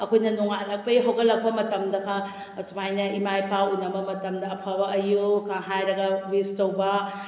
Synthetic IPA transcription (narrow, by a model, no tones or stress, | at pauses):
ɐkʰojnɐnuŋaɐlɐk̚pɐiɦawɡɐlːɐk̚pɐmɐtɐmd̪ɐkʰɐ | sumajnɐimajpawunːɐmɐmɐtɐmdɐːpʰabɐʔɐjukãɦajɾɐɡɐwistɐwbɐ